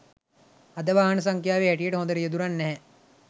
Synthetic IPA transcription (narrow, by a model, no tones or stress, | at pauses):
ɐd̪ɐʋaːɦɐns̬ɐŋkʰjaːʋiɛʈieʈɦõːd̪ɐɾijɐd̪uɾɐnːɐɦɛ̃